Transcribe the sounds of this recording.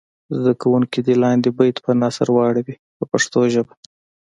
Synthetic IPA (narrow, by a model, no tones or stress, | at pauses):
zd̪akawuŋkid̪elɑnd̪ebajt̪pənɑsa̰ɾwɑɽawi | pəpaʂt̪oʒəba